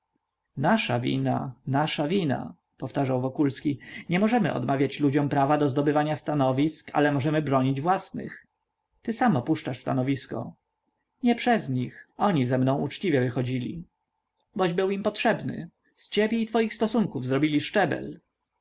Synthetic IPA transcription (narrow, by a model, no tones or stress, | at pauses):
naʂavʲḭna̰naʂavʲina̰ | pɔft̪aʐawvɔkulskʲiɲɛmɔʐɛmɘ̰ʔɔ̰d̪mavʲjat͡ɕlud͡ʑɔmpɾavad̪ɔzd̪ɔbɘvaɲast̪anɔvʲiska̰lɛmɔʐɛmɘbɾɔɲid͡ʑvwasnɘ̰x | t̪ɘsamɔpuʂt͡ʂaʂst̪a̰nɔvʲiskɔ̰ | ɲɛpʂɛzɲixɔɲizɛmnɔ̃w̃ʔut͡ʂt͡ɕivʲjɛvɘxɔd͡ʑilʲḭ | bɔʑbɘwimpɔtʂɛbnɘ̰ | st͡ɕɛbʲjɛit̪fɔjixst̪ɔsuŋkuvzɾɔbʲilʲiʂt͡ʂɛbɛ̰l